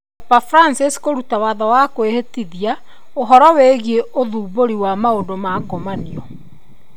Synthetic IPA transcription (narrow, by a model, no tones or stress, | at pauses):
ɛpafɾansiskoɾutawaðɔwakoehetiðia | oɦɔɾɔweɣieʔoðuːboɾiwamaodomakomaniɔ